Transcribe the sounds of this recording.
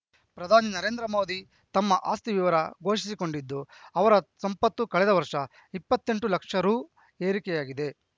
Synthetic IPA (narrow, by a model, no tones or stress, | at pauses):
pɾɐd̪ʱaːninɐɾeːnd̪ɾɐmo̞ːd̪ʱi | t̪ɐmːɐʔa̰ːst̪iʋiʋɐɾɐɡo̞ːʃisiko̞ɳɖid̪ːuɐʋɐɾɐsɐmpɐt̪ːukɐɭɛd̪ɐʋɐɾʂɐ | ipːɐt̪ːe̞ɳʈulɐkʂɐɾuː | e̞ːɾikɛjaːɡid̪e̞